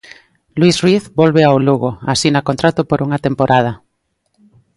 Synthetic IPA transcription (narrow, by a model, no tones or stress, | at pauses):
lwisriθbolβeawluɣoasinakont̪ɾat̪opoɾuŋat̪empoɾʔað̞a